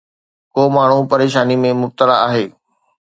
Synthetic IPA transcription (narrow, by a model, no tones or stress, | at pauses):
koːmaːɳ̤upɐɾeːʃaːnimẽmʊb̚t̪əlaaːɦeː